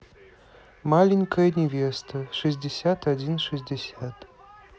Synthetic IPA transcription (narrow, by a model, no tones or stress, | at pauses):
malʲinʲkʰɐjnʲevʲest̪ʰɐʂɨs̬ʲdʲesʲatʰadʲinʂɨs̬ʲdʲesʲat̪